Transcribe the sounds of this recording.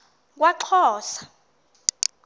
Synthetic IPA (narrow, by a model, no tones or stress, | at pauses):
k̬ʼwaǃʰɔːsḁ